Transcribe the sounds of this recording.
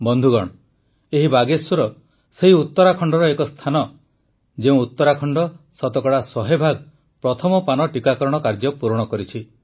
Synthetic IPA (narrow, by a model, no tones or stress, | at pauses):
bɔnd̪ʱuɡɔɽ̃ɔ | eɦibaɡeswɔɾɔ | seɦiut̪ːɔɾakʰɔɳɖɔɾɔekɔst̪ʰanɔ | d͡ʒeũut̪ːɔɾakʰɔɳɖɔsɔt̪ɔkɔɽasɔɦebʱaɡ | pɾɔt̪ʰɔmɔpanɔʈikakɔɾɔɽ̃ɔkaɾd͡ʒɔpuɾɔɽ̃ɔkɔɾit͡ʃʰi